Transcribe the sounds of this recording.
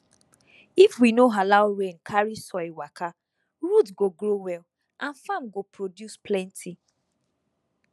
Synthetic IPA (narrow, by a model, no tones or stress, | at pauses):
ifwinoɦalaʊɾẽnkʰaɹisɔɪwaka | ɹutɡoɡɾowɛl | ʔãnfamɡopɹodjusplɛ̃ntʰi